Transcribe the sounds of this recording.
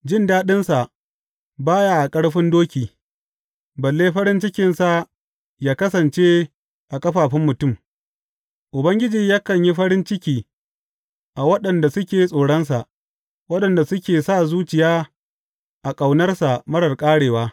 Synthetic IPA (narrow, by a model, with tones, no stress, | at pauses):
d͡ʒɪ˦ndaː˦ɗɪ˦nsa˨ʔ | baː˦ja˦ʔa˨kʼɐ˦ɽɸɪ˦ndoː˦kʲiː˨ | bɐ˨lːeː˦ɸɐ˦ɽɪ˦nt͡ʃɪ˦kʲɪ˨nsa˨ | jaː˦kɐ˦sɐ˨nt͡ʃeː˦ | ʔa˨kʼɐ˦ɸaː˨ɸɪ˦mːʊ˨tʊ˦˨m | ʔʊ˨bɐ˦ŋɡʲɪ˦d͡ʒiː˨jaː˦kɐ˨ɲji˦ɸɐ˦ɽɪ˦nt͡ʃɪ˦kʲiː˨ | ʔa˨wɐ˦ɗɐ˨nda˨sʊ˦kʲeː˨˦sʼoː˨ɽɐ˦nsa˨ʔ | wɐ˦ɗɐ˨nda˨sʊ˦kʲeː˨saː˦˨zuː˦t͡ʃɪ˨jaː˦ | ʔa˨kʼa˨wnɐ˦rsa˨mɐ˦ɽɐ˨rkʼaː˦ɽeː˨waː˦